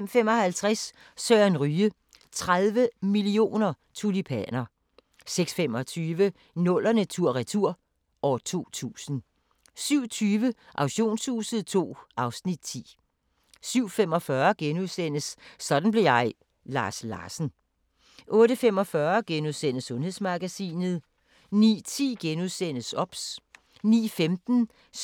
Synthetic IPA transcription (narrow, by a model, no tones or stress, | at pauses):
m̰femɒ̽hælt͡sʰʁas | sœːænʁyːə | t͡sʰʁaðˠʋəmilio̝̰ːnɐ | t͡sʰulipʰæ̰nɐ | seɡ̥sfemɒt͡sʰyːʋə | nɔ̽l̰ɐnæt͡sʰuɐ̰ʁit͡sʰuɐ̰ | ɒt͡sʰo̝̰ːt͡sʰṵːsn̩ | syʊ̰t͡sʰyːʋəʔɑ̈ʊɕo̝̰ːnshṵːsəð̩ˠt͡sʰo̝̰ːʔɑ̈ʊsnid̥̚t͡sʰḭː | syʊ̰femɒ̽fɶɐɡ̥enuðˠsen̰əsːɒ̽d̥n̩ble̝jɑ̈ɪ | lɑ̰̈ːslɑ̰̈ːsn̩ | ʔɔ̽ːɾəfem̰ɒ̽fɶɐɡ̥enuðˠsen̰əsɔ̽nhe̝ð̰ˠsmɑ̈ɡ̥æsḭːnð̞̩ˠ | nḭːt͡sʰḭːɡ̥enuðˠsen̰əsɒ̽b̥s | nḭːfemd̥n̩